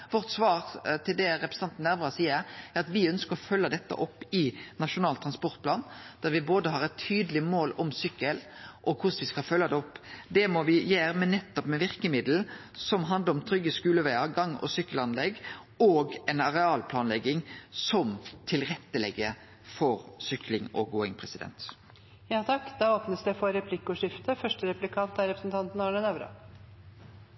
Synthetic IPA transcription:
ʋɔɾt̪sʋɑːɾʁt̪ʰɪld̪ɛɾɛpɾəsn̩ɑnt̪nːæɾʋʁɑsiːəɾæɾɑt̪ʋɪœnskəɾɔfœlːəd̪ɛt̪ːə̰ʔɔpːɪnɑʃʊnɑːlt̪ʰɾɑnspɔɾt̪̚pʰlɑːnd̪̥æʁɾʋɪboːd̪əɦɑɾɛt̪ʰːyːd̪əlɪmoːlɔmsʏkːəlʔɔkʰʊsʋɪskɑlfœlːɑd̪ɛɔpːd̪ɛmɔʋɪjøːɾmɛnːɛt̪ːɔpmɛʋɪɾkəmɪd̪l̩sɔmɦɑnd̪əɾɔmt̪ʰɾʏɡːəskʉːləʋæɪəɡɑŋɔ̰sʏkːəlɑnlɛɡː | oːɡɛnɑɾɛɑːlpʰlɑːnlɛɡːɪŋsɔmt̪ʰɪlɾɛt̪ːəlɛɡːə | fɔɾsʏklɪŋɔ̰ɡoːɪŋpʰʁɛsɪd̪ɛ̰nt̪ | jɑːt̪ʰɑkːd̪ɑːoːpnəsd̪ɛfɔɾɛpʰlɪkːʊʂɪft̪əfœʂʈəɾɛplɪkʰɑnt̪æɾɛpɾəsn̩t̪ʰɑnt̪nɑːɳənɑʋɾɑ̰

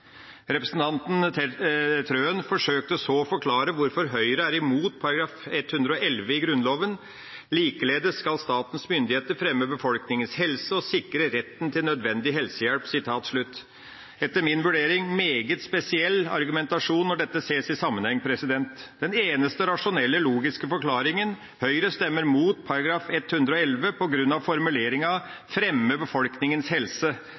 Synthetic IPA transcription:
ɾɛpɾəsn̩t̪ʰɑnt̪n̩ʰ | t̪ʰɾøːənfɔʂøːk̚t̪əɔsoːfɔɾkʰlɑːɾəʋʊɾfɔɾɦœʏɾəæɾɪmuːt̪̚pʰɑɾɑɡɾɑːfɛt̪hʉnd̪ɾəɔʔɛlʋəɪɡɾʉnloːʋən | liːkəleːd̪əskɑlst̪ɑːt̪ən̩smʏnd̪ɪheːt̪əɾfɾɛmːəbəfɔlknɪŋənshɛlsəɔsɪkɾəɾɛt̪ːnt̪ʰɪlnœd̪ʋɛnd̪ɪɦɛlsəjæɽpsɪt̪ʰɑːt̪ʂɭʉt̪ː | ɛt̪ːəmɪnʋʉɖeːɾɪŋmeːɡət̪spɛsɪɛlːɑ̰ɾɡʉmɛnt̪ɑʂuːnːɔɖɛt̪ːəseːsɪsɑmːənhɛŋːəpʰɾɛsɪd̪ɛnt̪d̪̥ɛneːnəst̪əɾɑʂʊnɛlːəluːɡɪskəfɔɾkʰlɑːɾɪŋən | hœʏɾəst̪ɛmːəɾmuːt̪pʰɑɾɑɡɾɑːfɛt̪hʉnd̪ɾɔɛlʋəpʰɔɡɾʉnːɑʋfɔɾmʉleːɾɪŋɑfɾɛmːəbəfɔlknɪŋənshɛlsə

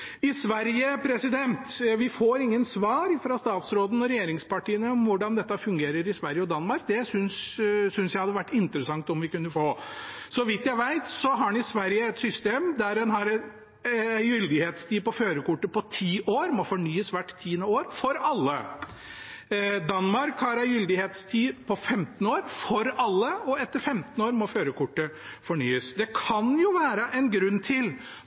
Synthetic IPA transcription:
ɪsʋæɾjəpʰɾɛsɪd̪ɛnt̪ʋɪfoːɾɪŋːənsʋɑːɾfɾɑst̪ɑːt̪sɾoːd̪ən̩ɔɾɛjeːɾɪŋspɑʈiːənəɔmʋʊɖɑnd̪ɛt̪ːɑfʉŋɡeːɾəɾɪsʋæɾjəɔd̪ɑnmɑɾk̚d̪ɛsʏnssʏnsjæɪhɑd̪ːəʋæʈːɪnt̪ɾəsɑŋt̪ɔmʋɪkʉnːəfoːsɔʋɪt̪jæɪʋæɪt̪sɔɦɑɾnɪsʋæɾjəɛt̪sʏst̪eːmd̪æɾɛnɦɑɾɛ | æjʏld̪ɪheːt̪st̪ʰiːpɔføːɾəkʊʈːəpɔt̪ʰiːʔoːɾmɔfɔɳyːəsʋæʈːt̪ʰːiːənəoːɾfɔɾɑlːə | d̪ɑnːmɑɾkhɑɾæɪjʏld̪ɪheːt̪st̪ʰiːpʰɔfɛmt̪ən̩oːɾfɔɾɑlːəɔɛt̪ːəɾfɛmt̪n̩oːɾmɔføːɾəkʊʈːəfɔɳyːəsd̪ɛkʰɑnjʊʋæːɾəʔɛnɡɾʉnːt̪ʰɪl

